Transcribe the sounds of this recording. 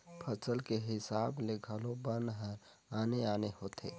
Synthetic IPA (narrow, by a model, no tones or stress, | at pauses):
pʰəsəlkeɦɪsaːblekʰəlobənd̪ɦəɾ | aːneaːnehoːt̪ʰḛ